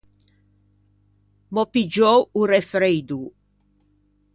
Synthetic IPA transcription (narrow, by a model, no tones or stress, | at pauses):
mɔpid͡ʒɔwuɾefɾejd̪u